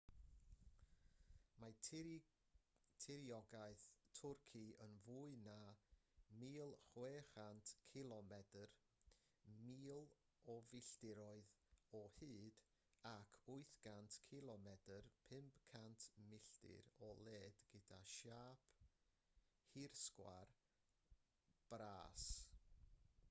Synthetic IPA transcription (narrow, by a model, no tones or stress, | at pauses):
ma | tʰɪɾiɔɡaɨθtʰʊrkʰiənvuɨna | miːlˠχweːχantʰkʰɪlˠɔmɛdər | miːlˠ | ɔvɪɬdɪɾɔɨðɔhɨːd̥ | akʰʊɨθɡ̥antʰkʰɪlˠɔmɛdərpʰɪmpkʰantʰmɪɬdɪ̰ɾɔlˠeːdɡ̥ədaʃaːpʰ | hirskwa̰r | b̥raːs